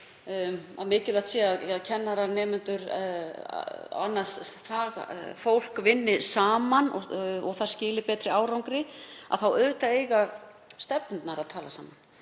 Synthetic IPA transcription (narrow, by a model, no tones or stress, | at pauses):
a̰ðmɪːcʏlaht̪siːaðaðcʰɛnːaɾanɛːmʏnt̪ʏɾ̰ | a̰nːḁsθaːɣfowl̥kvɪnːɪsaːmanɔ̰ɔɣθaɾ̥scɪːlɪpɛːt̪ɾɪaːwɾawŋkɾɪa̰ðθawœðt̪aeːjɣa | st̪ɛpnt̪naɾaðt̪ʰaːlasaːman